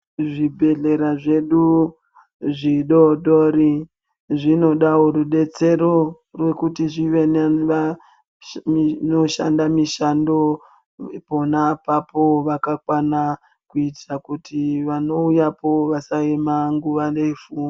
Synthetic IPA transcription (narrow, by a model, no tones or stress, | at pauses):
ʐibʱe̞ɮe̞ɾaʐe̞ɗu | ʐiɗo̞ɗori | ʐino̞ɗaoruɗe̞t͡se̞ɾo̞ | rwe̞kutiʐiʋe̞neʋa | no̞ʃa̰ndamiʃando̞ | po̞napapo̞ʋakakwana | kuitakutʰiʋano̞ujapo̞ʋasaemaŋɡuʋaneifuːmi